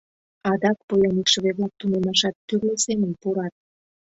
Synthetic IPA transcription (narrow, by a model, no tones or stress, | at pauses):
ɑd̪ɑk̚pojɑnikʃə̆βeβlɑk̚t̪unemɑʃɑt̪ːyrlesemənpuɾɑt̪̚